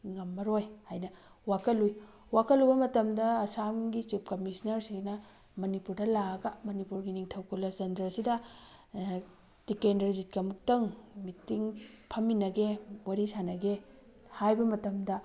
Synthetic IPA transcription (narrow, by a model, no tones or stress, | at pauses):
ŋɐmːɐɾojhajnɐ | wakʰɐluj | wakʰɐlubɐmɐtɐmdɐːsamɡit͡ʃip̚kɐmisnɐɾsinɐ | mɐnipuɾdɐlaɐɡɐmɐnipuɾɡiniŋtʰɐwkulːɐzɐndɾɐsidɐ | dikendɐɾzit̚kɐmuk̚tɐŋmitːiŋpʰɐmːinɐɡewɐɾisanɐɡe | hajbɐmɐtɐmdɐ